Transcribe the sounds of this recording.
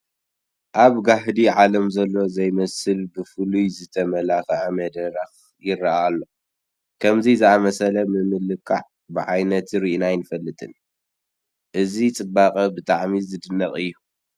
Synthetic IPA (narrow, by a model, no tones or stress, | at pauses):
ʔaβɡaɦd̪iʕalɐmzɐlːo̞zɐjmɐsɨlbɨfɨlujzɨt̪ʰɐmɐlaxɐʕamɐd̪ɐɾax | jɪrːaʔalːo̞ | kʰɐmzizɨamɐsɐlɐmɨmɨlɨkʰːa̰ʕ | bɨʕajnɐt̪ɾiʔnajnɨfɐlːɨt̪ʼɨn | ʔɨzit͡sʼɨbaqʼɐbɨt̪ʼaʕmizɨd̪ɨnːɐχʼɨjːu